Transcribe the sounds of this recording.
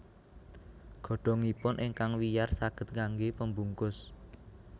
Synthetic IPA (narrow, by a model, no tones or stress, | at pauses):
ɡ̥ɔ̤ɖ̥ɔ̤ŋipʊnʔɪŋkaŋwijarsaɡ̥ə̤t̪̚kaŋɡepəmbuŋkʊs